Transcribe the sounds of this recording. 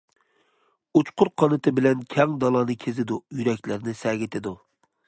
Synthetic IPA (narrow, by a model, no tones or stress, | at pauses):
ut͡ʃqʊɾqʰɑnɨt̪ʰɨbɪlɛnkʲʰɛŋd̪ɑlˠɑːnɨkʲʰezɪd̪ujyɾɛkʲlɪɾnɪsɛɡʲɪt̪ʰɪd̪u